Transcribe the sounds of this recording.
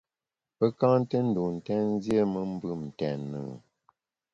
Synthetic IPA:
pə˦kã˦n˦tə˦n̩˦˨du˨n̩˨tɛ˦n˦zje˦mə˦m̩˦bɨ˦˨mn̩˨tɛ˨nə̰˨

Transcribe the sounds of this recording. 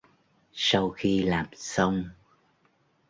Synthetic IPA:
sa˧wxi˧laː˨˩msə˧wŋ͡m

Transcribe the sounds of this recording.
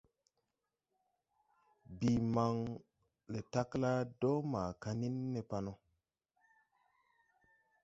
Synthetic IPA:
bi˨ma˨ŋ | le˨ta˦kla˦do˦ma˨ka˦ni˦nːe˨pa˦no˦

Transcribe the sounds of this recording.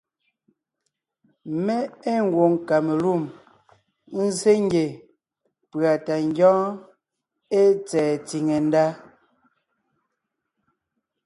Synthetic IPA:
me˦e˦ŋ̩˦ɡwo˨ŋka˨me˨lu˦˨m | n̩˦ze˦ŋ˦ɡe˨ | pɰa˨ta˨ŋ˦ɡjɔ̃ː˦ | e˦t͡sɛː˨t͡si˨ŋe˨n˦da˦

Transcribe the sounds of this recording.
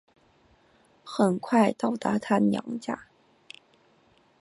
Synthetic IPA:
xə˨˩nkʰwa˥˩ɪt̪ɑ˥˩ʊt̪a˧˥t̪ʰa˥njɑ̰˧˥ŋt͡ɕja̰˥˩

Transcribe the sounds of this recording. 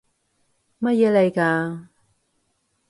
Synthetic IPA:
mɐ˥t̚jɛː˨˧le˨˧jkaː˧

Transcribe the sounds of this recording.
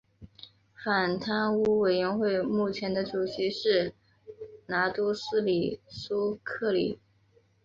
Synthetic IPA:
fa˨˩nt̪ʰa˥nu˥we˨˩ɪɥɛ˧˥nxwe˥˧ɪmu˥˩t͡ɕʰjɛ˧˥nd̪ə˧ʈ͡ʂu˨˩ɕi˧˥ʂɻ̩˥˩ | na˧˥t̪u˥sɹ̩˥li˨˩su˥kʰɤ˥˩lḭ˨˩˦

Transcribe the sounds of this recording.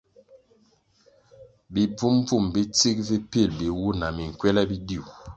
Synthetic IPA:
bi˨b͡vu˦m˦b͡vu˦˨mbi˦t͡si˦k̚vi˦pi˦˨lbi˨wu˦na˨mi˨ŋ̩˨kwɛ˦la˦bi˦di˦˨u˨

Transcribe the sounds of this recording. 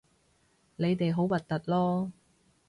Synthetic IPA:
le˨˧jt̪e˨jɦo˨˥wwɐ˨t̚t̪ːɐ˨t̚lɔː˥

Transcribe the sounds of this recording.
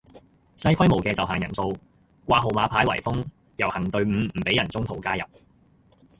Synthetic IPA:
sɐ˥jkʰɐ˥jmo˨˩wkɛː˧t͡sɐ˨wɦaː˨˩ŋjɐ˨˩nso˧w | kʷaː˧ɦo˨wmaː˨˧pʰaː˨˥jwɐ̰˨˩jfʊ˥ŋ | jɐ˨˩whɐ˨˩ŋt̪ɵ˧ɥm̩ː˨˧m̩˨˩pe˨˥jɐ˨˩nt͡sʊ˥ŋt̪ʰo˨˩wkaː˥jɐ˨p̚

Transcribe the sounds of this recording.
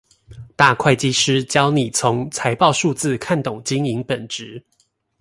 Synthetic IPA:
t̪a˥˧kʰwa˥˩ɪt͡ɕi˦˥ʂɻ̩˥t͡ɕjɑ˦ʊni˨˩t͡sʰʊ˨˦ŋt͡sʰa˧˦ɪpɑ˥˧ʊʂu˥˧t͡sɹ̩˥˧kʰa˥˨nt̪ʊ˨˩ŋt͡ɕi˦˥ŋi˧˦ŋpə˨˩nʈ͡ʂɻ̩˨˦

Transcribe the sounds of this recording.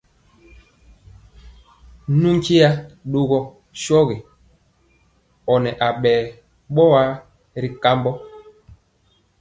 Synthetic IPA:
nu˦ŋ˦ke˦ja˦ɗo˨ɣɔ˦ | ʃɔ˦ɣe˨ | ɔ˨nɛ˨ʔa˨ɓɛː˨ | ɓɔ˦wa˦ | ɾi˨ka˦mbɔ˦

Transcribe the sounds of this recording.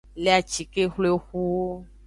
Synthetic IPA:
le˦a˨t͡ʃi˨ke˦xlo˦e˦xu˦

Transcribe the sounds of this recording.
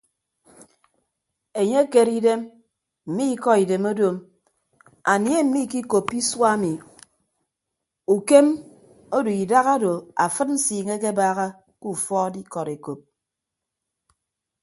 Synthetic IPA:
e˨ɲe˦ke˨ɾi˦de˦m | m̩˨mi˦kɔ˦i˨de˨mo˦do˨m | a˨nje˦m̩˨mi˦˨ki˦ko˨pːi˦swa˦mi˨ | u˨ke˦m | o˦do˨i˨da˦ɣa˦do˨a˨fɨ˦tn̩˦siː˨ŋe˦k̬e˦baː˦ɣa˦ | ku˦fɔː˦di˦kɔ˨ɾe˨ko˨p̚

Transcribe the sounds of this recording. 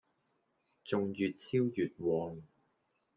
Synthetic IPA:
t͡sʊ˨ŋjyː˨t̚t͡sʰiː˥wjyː˨t̚wɔː˨˧ŋ

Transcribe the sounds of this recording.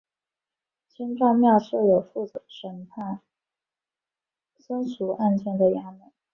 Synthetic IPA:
t͡ɕʰi˥nʈ͡ʂɑ˥˧ŋmjɑ˥˧ʊʂɤ˥˩jo˨˩ʊfu˥˩ʂə˧˥ŋpʰa˥˩n | sə˥nsu˧˥ʔa˥˧nt͡ɕʰjɛ˥˩nd̪ə˩ja˥me˨˩˦

